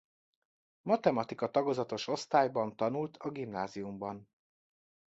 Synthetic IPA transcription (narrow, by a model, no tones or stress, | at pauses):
mɒt̪ɛmɒt̪ikɒt̪ɒɡo̞zɒt̪o̞ʃo̞st̪aːjbɒnt̪ɒnult̪ʰɒɡimnaːzijumbɒn